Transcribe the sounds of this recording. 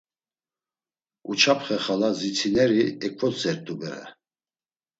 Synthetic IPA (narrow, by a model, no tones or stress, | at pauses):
ut͡ʃʰapʰχɛχalazit͡sʰinɛɾiɛkʰʼvɔsɛɾt̪ʼubɛ̰ɾɛ̰